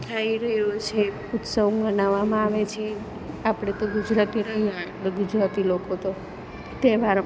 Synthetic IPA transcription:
t̪ʰaiɾəot͡ʃʰe | ut̪səʋbənaʋamãaʋet͡ʃʰie | apɽ̃et̪oɡud͡ʒɾat̪iɾəɦialeɡud͡ʒɾat̪ilokot̪o | t̪ebaɾ

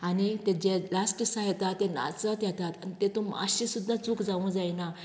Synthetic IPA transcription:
anit̪ed͡ʑelasʈisajɛt̪at̪ːena̰t͡sət̪jɛt̪at̪anit̪et̪umə̰ɕĩsud̪ʱːãt͡sukd͡zaʋũd͡zajna

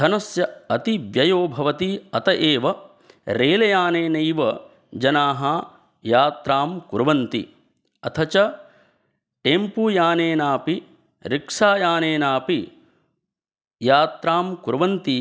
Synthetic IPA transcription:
d̪ɐnɐsjɐɐt̪iʋjɐjoːbʱɐʋɐt̪iɐt̪ɐʔeːʋɐ | ɾeːlɐjaːneːnɐjʋɐ | d͡ʒɐnaːɦɐ | jaːt̪ɾaːmkuɾʋɐnt̪ḭ | ɐt̪ʰɐt͡ʃɐ | ʈempuːjaːneːnaːpi | ɾikʂaːjaːneːnaːpi | jaːt̪ɾaːmkuɾʋɐnt̪i

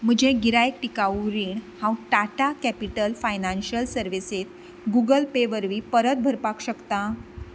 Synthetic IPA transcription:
m̤əd͡ʑeɡiɾajk̚ʈikaɾiɳhãw̃ʈaʈakæpiʈəlfajnanɕəlsəɾʋiset̪̚ | ɡuɡəlpeʋəɾʋiːpəɾət̪̚bʱəɾpakɕəkt̪ã

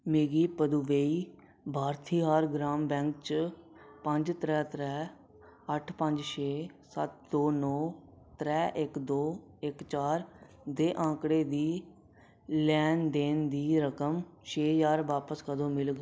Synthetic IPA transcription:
meːɡiːpəd̪uʋeːiː | bʱaːɾt̪ʰiːɦaːɾɡɾaːmbɛ̃ːŋk̚t͡ʃ | pəɲd͡ʒt̪ɾɛːt̪ɾɛː | əʈʰpəɲd͡ʒʃeːsət̪̚d̪oːnɔː | t̪ɾɛːʔɪkd̪oː | ɪkt͡ʃaːɾ | d̪eːʔãːkɽeːd̪iː | lɛːnd̪eːnd̪iːɾəkəmt͡ʃʰeːjaːɾʋaːpəskəd̪õːmɪlɡ

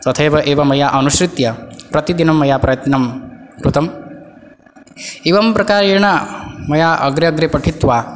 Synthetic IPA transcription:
t̪ɐt̪ʰeːʋɐʔeːʋɐmɐjaʔɐnuʃɾit̪jɐpɾɐt̪id̪inɐmːɐjaːpɾɐjɐt̪nɐmkɾut̪ɐm | eʋɐmpɾɐkaːɾeːɳɐmɐjaːʔɐɡɾɐɐɡɾepɐʈʰit̪ʋaː

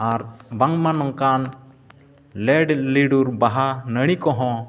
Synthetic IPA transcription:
aɾbaŋmanɔŋkan | lɛɖliɖuɾbaɦanəɽ̃ikɔɦɔ̃

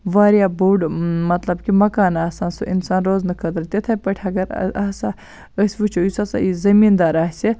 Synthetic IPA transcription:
ʋaːɾjaːbouɖmɐt̪lɐbkimɐkaːnaːsaːnsuʔḭnsaːnɾoːznɨkʰɐd̪ɾt̪ʲet̪ʰɐpɐʈʰɐɡɐɾ̰asa | əsʲʋut͡ʃʰojisɐsa̰izɐmiːnd̪aːɾaːsʲi

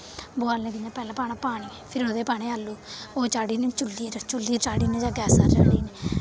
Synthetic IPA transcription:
boaːlnẽːd̪ɪɲãːpɛːlãːpaːnãːpaːɽ̃iːpʰɪɾoːd̪eːpaːɽ̃eːalːuːoːt͡ʃaːɽiːnẽːt͡ʃʊlːiːɾt͡ʃʊlːiːɾt͡ʃaːɽiːnẽːd͡ʒãːɡɛːsaːt͡ʃa̰ːɽiːneː

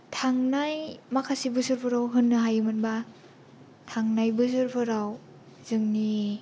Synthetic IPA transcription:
tʰaŋnajmakʰasibɯsɯɾpʰɯɾawɦɯnːɯɦajɯmɯnba | tʰaŋnajbɯsɯɾpʰɯɾaw | zɯŋni

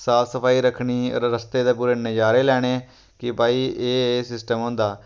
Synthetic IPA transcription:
saːpʰsəpʰaːiːɾəkʰɽiːə̰ɾɾəst̪eːd̪aːp̬uːɾeːnəd͡ʒaːɾeːlɛːɽ̃eː | kɪpaːiːeːeːsɪsʈəmɦõːnd̪aː

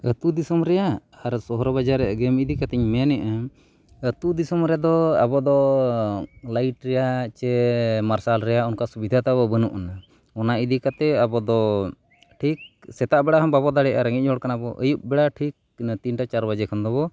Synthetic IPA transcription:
ət̪ud̪isɔmɾɛjaːɾsɔɦɔɾɔbad͡ʒaɾɛʔɡɛmid̪ikat̪ɛɲmɛnɛʔa | ət̪ud̪isɔmɾɛjad̪ɔabɔd̪ɔ | lajʈɾɛjat͡ʃɛmaɾsalɾɛjaunkasubid̪ʱat̪aβɔbənuʔna | ɔnaid̪ikat̪ɛabɔd̪ɔ | ʈʰik̚sɛt̪aʔbɛɽaɦɔmbabɔd̪aɽɛʔaɾəŋic̚d͡ʒɔɽkanabɔʔəjup̚bɛɽaʈʰik̚t̪inʈat͡ʃaɾbad͡ʒɛkʰɔnd̪ɔbɔ

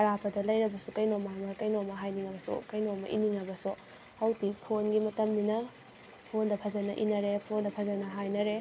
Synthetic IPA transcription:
ɐɾapʰɐdɐlɐjɾɐbɐsukɐjnomamɐkɐjnomɐɦajniŋɐbɐsṵkɐjnomɐ̰ʔḭniŋɐbɐsu | hɐwtipʰonɡimɐtɐmninɐ | pʰondɐpʰɐzɐnɐʔinɐɾepʰondɐpʰɐzɐnɐɦajnɐɾe

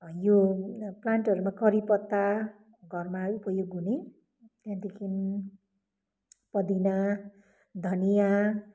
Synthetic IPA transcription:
joplanʈʌɾumakʌɾipʌt̪ːa | ɡʱʌrmaupʌjoɡune | t̪ãnt̪ikʰin | pʌd̪ina | d̪ʱʌnija

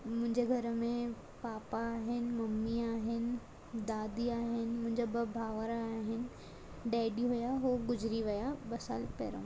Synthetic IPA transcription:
mʊ̃ɦɪ̃ɲd͡ʑeɡʱɐɾəmẽ | paːpaːɦɪnɪ̆mɐmːiaːɦɪnɪ̆ | d̪aːd̪iaːɦɪnɪ̆mʊ̃ɦɪ̃ɲd͡ʑobɐbʱaːʋəɾːɦɪnɪ̆ | ɖaːɪɖiɦujaɦoːɡʊd͡ʑɾiʋɐjabɐsa̰ːlpḛːɾõ̰ː

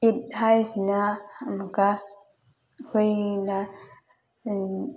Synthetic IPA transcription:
it̚hajsinamaka | hojna

